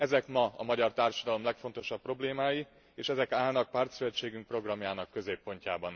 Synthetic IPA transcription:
ɛzɛkmɒɒmɒɟɒrt̪aːrʃɒd̪ɒlo̞mlɛkfo̞nt̪o̞ʃɒpːro̞bleːmaːji | eːʃɛzɛkaːlnɒk̚paːrt̪sylɛt͡ʃːeːɡyŋk̚pro̞ɡrɒmjaːnɒkːø̞zeːpːo̞ɲcaːbɒn

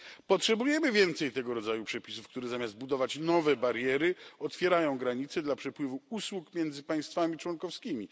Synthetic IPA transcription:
pɔtʂɛbujɛmɘvʲjɛnt̪sɛjt̪ɛɡɔɾɔd̪zajupʂɛpʲi̥sufkt̪uɾɛzamʲjazd̪̚bud̪ɔvat͡ɕnɔvɛbaɾjɛɾɘɔt̪fʲjɛɾajɔ̃w̃ɡɾaɲit̪sɛd̪lapʂɛpwɘvuuswukmʲjɛnd̪zɘpaj̃st̪famʲit͡ʂwɔnkɔfskʲimʲi

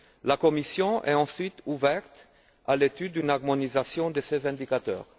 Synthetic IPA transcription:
lakɔmisjɔ̃ʔɛ̰ɑ̃sɥit̪uvɛʁt̪ | alet̪yd̪ːynaʁmɔnizasjɔ̃d̪əsezɛ̃d̪ikat̪œ̰ːʁ

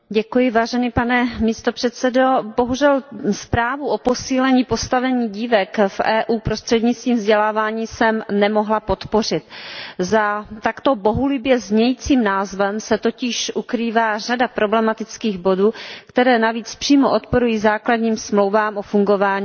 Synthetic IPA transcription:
ɟɛkujɪvaːʒɛniːpanɛmiːst̪o̞pr̥ɛt̪t͡sɛdo̞bo̞ɦuʒɛlspɾaːvuʔopo̞siːlɛɲiːpo̞st̪avɛɲiːɟiːvɛkfʔɛːʔuːpɾost̪r̥ɛd̪ɲɪt͡st̪viːmvzɟɛlaːvaːɲiːsɛmnɛmo̞ɦlapo̞t̪po̞r̝ɪt̪zat̪akt̪o̞bo̞ɦulɪbjɛzɲɛjiːt͡siːmnaːzvɛmsɛt̪o̞cɪʃʔukɾiːvaːr̝adapɾo̞blɛmat̪ɪt͡skiːɣbo̞duːkt̪ɛɾɛːnaviːt͡spr̝̥iːmoʔot̪po̞ɾujiːzaːkladɲiːmsmlowvaːmʔofuŋɡo̞vaːɲiː

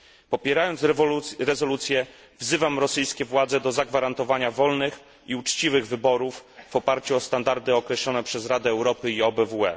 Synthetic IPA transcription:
pɔpʲjɛɾajɔnɾɛzɔlut̪sʲjɛ | vzɘvamɾɔsɘjskʲɛvwad̪zɛd̪ɔzaɡvaɾant̪ɔvaɲavɔlnɘx | iut͡ʂt͡ɕivɘɣvɘbɔɾufːɔpaɾt͡ɕuɔst̪and̪aɾd̪ɘɔkɾɛɕlɔnɛpʂɛzɾad̪ɛːwɾɔpɘiɔbɛvuɛ

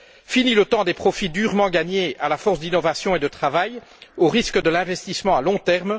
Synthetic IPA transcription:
finilət̪ɑ̃d̪epχɔfid̪yʁmɑ̃ɡaɲealafɔʁsd̪inɔvasjɔ̃ed̪ət̪χavaj | oʁiskəd̪əlɛ̃vɛst̪ismɑ̃alɔ̃t̪ɛʁm

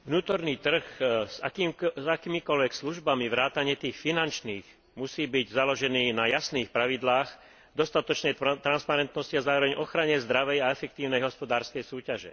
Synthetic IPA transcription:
ʋnuːt̪ɔɾniːt̪r̩xza̰kimzakiːmikɔlʋɛksluʒbamiʋɾaːt̪aɲɪɛt̪iːxfinant͡ʃniːɣ | musiːbiɟzalɔʒɛniːnajasniːxpɾaʋid̪laːɣ | d̪ɔst̪at̪ɔt͡ʃnɛjt̪ɾanspaɾɛnt̪nɔsciazaːɾɔʋɛɲʔɔxɾaɲɛzd̪ɾaʋɛjaɛfɛk̚t̪iːʊnɛjɦɔspɔd̪aːɾskɛjsuːcaʒɛ̰

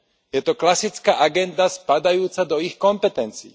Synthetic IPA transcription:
jɛt̪ɔklasit͡skaːʔaɡɛnd̪aspad̪ajuːt͡sad̪ɔixkɔmpɛt̪ɛnt͡sḭː

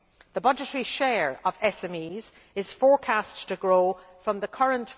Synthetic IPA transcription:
ðəbʌd͡ʒətəɹiʃɛːɹəvɛsɛ̃miːz̥ | ɪz̥fɔɹkʰastʰəɡɹoː | fɹʌ̃mðəkʰʌɹə̃nt

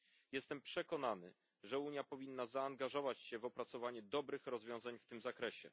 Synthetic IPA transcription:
jɛst̪ɛmpʂɛkɔnanɘ | ʐɛuɲjapɔvʲinːazaːŋɡaʐɔvat͡ɕɕɛvɔpɾat̪sɔvaɲud̪ɔbɾɘxɾɔzvʲjɔ̃w̃zaɲft̪ɘmzakɾɛɕɛ̰

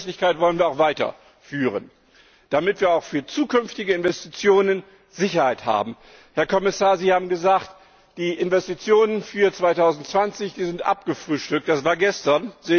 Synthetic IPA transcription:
slɪçkaɪtv̥ɔlənviːɐaʊxv̥aɪtɐ̰ | fyːʁə̰n | d̥amɪtv̥iːɐaʊxfyːɐt͡suːkʏnftɪɡəɪnvɛstit͡sjoːnən | zɪçɐhaɪtha̰ːbm̩ | hɛɐkʰɔmɪsaːɐziːhaːbm̩ɡəzaːxt | d̥iːʔɪnvɛstit͡sjoːnənfyːɐt͡sv̥aɪtʰaʊzn̩tt͡sv̥ant͡sɪçd̥iːzɪntʔa̰p̚ɡ̥əfʁ̥yːʃtʏk̚td̥asv̥aːɐɡɛstɐnzeː

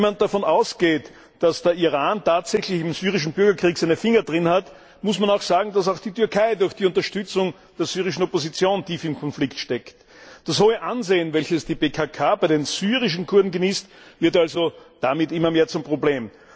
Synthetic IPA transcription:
mant̚d̥afɔnaʊsɡ̥eːt | d̥asd̥eɐiʁaːntʰaːtz̥ɛçlɪçɪmzyːʁɪʃn̩bʏɐɡɐkʁ̥iːksæɪnəfɪŋɐdʁɪnhat | mʊsmanaʊxz̥aːɡŋ̩d̥as̬aʊxd̥iːtʏɐkʰaɪdʊɐçd̥iːʊ̃nt̬ɐʃtʏt͡sʊŋ | d̥eːɐz̥yːʁɪʃn̩opozit͡sjoːntʰiːfɪmkʰɔnflɪktʃtɛkt | d̥ashoːəʔanzeːənvɛlçəsd̥iːbeːkʰakʰaːbæɪdenz̥yːʁɪʃ̬n̩kʰʊɐdn̩ɡəniːstvɪɐtalzod̥amɪtɪmːɐmeːɐt͡sʊmpʁ̥obleːm

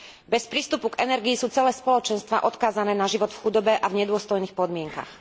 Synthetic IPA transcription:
bɛspɾiːst̪upuɡɛnɛɾɡiːsuːt͡sɛlɛːspɔlɔt͡ʃɛnst̪ʋa̰ːʔɔt̪kaːzanɛːnaʒiʋɔt̪fxud̪ɔbɛʔavɲɛd̪ʊɔst̪ɔjniːxpɔd̪mɪɛŋka̰x

